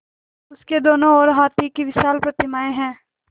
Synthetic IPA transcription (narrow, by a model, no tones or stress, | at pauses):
ʊsked̪oːnõɔːɾɦaːt̪ikiʋɪʃaːlpɾɐt̪ɪmaːẽɦɛ̃ː